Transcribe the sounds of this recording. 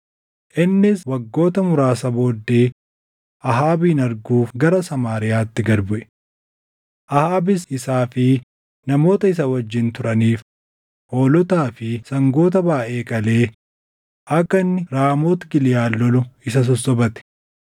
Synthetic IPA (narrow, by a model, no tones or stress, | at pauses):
ʔɪnːɪswɐɡːo̞ːt̪ɐmʊɾaːsɐbo̞ːd̪ːe̞ː | ʔɐɦaːbiːnɐɾɡuːfɡɐɾɐsɐmaːɾɪjaːt̪ːɪɡɐɾbʊʔɛ̥ | ʔɐhaːbɪsɪsaːfɪ | nɐmo̞ːt̪ɐɪs̬ɐwɐd͡ʒːɪnt̪ʊɾɐniːf | ʔo̞ːlɔt̪aːfɪsɐŋɡo̞ːt̪ɐbaːʔe̞ːkʼɐle̞ː | ʔɐkːɐnːɪɾaːmoːt̪ɡɪlɪjaːlːɔlʊɪsɐs̬ɔsːɔbɐt̪ɛ̥